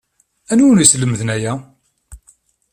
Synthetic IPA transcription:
ænunisləmðnæjæ

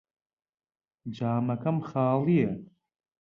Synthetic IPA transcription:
d͡ʒaːmakʰamχaːlijɛ

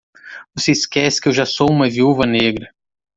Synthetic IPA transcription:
voseiskɛsɪ̥kɪewʒasowũmɐviuvɐneɡɾɐ

